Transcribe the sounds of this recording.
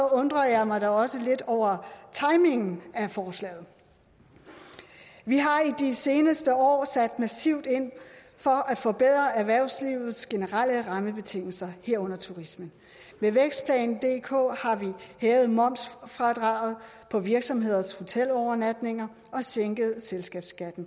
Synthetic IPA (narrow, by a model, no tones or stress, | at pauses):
ɔ̽nd̥ʁɐjɑ̈ɪmɑ̈ɪɾɒɒ̽səle̝d̥ɒʊ̰ɐt͡sʰɑ̈ɪme̝ŋn̩æfɒːslɛ̰ːð̩ˠ | ʋiɦɑ̈id̥ise̝ːnəsd̥əɒ̰ːsæd̥mæsiʊ̰d̥e̝n̰ | fɒ̽ʔæ̥fɒ̽b̥eð̰ˠʁɐæɐʋæɐ̰ʊsliːʊð̩ˠsɡ̥e̝nəʁaləʁɑ̈məb̥e̝t͡sʰe̝ŋ̰l̩sɐheɐ̰ɔ̽n̰ɐt͡sʰuʁismən | ʋeʋeɡ̥sd̥̚pʰlɛ̰ːnn̩d̥e̝̰ːkʰo̰ːhɑ̈ʋihɛːʊð̞̩ˠmɒ̽m̰sfʁɑd̥ʁɑ̈ːʊð̞̩ˠ | pʰɒ̽ʋiɐɡ̥sɒ̽mɦe̝ð̞̰ˠɐsho̝t͡sʰel̰ɒʊɐnæd̥ne̝ŋɐ | ɒ̽seŋ̰ɡ̥ð̞̩ˠselsɡ̥ɛ̰ːb̥sɡ̥æd̥n̩